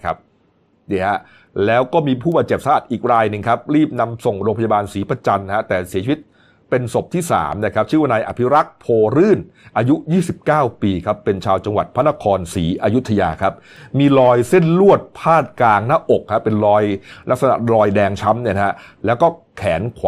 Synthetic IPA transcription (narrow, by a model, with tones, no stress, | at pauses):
kʰa˦˥p̚ | ni˥˩ha˦˥ | lɛː˦˥wkɔː˥˩miː˧pʰuː˥˩baː˨˩t̪̚t͡ɕe˨˩p̚sa˧ʔa˨˩t̪̚ʔiː˨˩k̚ɾaː˧jnɯ˨ŋkʰa˦˥p̚ɾiː˥˩p̚na˦˥mso˨˩ŋɾoː˧ŋpʰa˧ja˧baː˧nsiː˩˦pa˧t͡ɕa˧nha˦˥t̪ɛː˨˩si˨˩˦t͡ɕʰi˧˦i˦˥t̪̚ | pe˧nso˨˩p̚t̪ʰiː˥˩sa̰ː˩˦mna˧˥˩kʰa˦˥p̚t͡ɕʰɯ˥˩wa˧naː˧jʔa̰˨˩pʰi˦˥ɾa˦˥k̚pʰoː˧ɾɯː˥˩n | ʔaː˧ju˦˥jiː˥˩si˨˩p̚kaː˥˩wpiː˧kʰa˦˥pːe˧nt͡ɕʰaː˧wt͡ɕa˧ŋwa˨˩t̪̚pʰa˦˥nːa˦˥kʰɔː˧nsiː˩˦ʔa˧ju˦˥t̪ʰa˧ja̰ː˧kʰa˦˥p̚miː˧lɔː˧jse˥˩nlu˥˩ət̪̚pʰaː˥˩t̪̚klaː˧ŋnaː˥˩ʔo˨˩k̚ha˦˥pe˧nlɔː˧jla˦˥k̚sa˧na̰˨˩lɔː˧jdɛː˧ŋt͡ɕʰa˦˥mni˥˩n˦ha˦˥ʔlɛː˦˥wkɔː˥˩ | kʰɛː˩˦nkʰw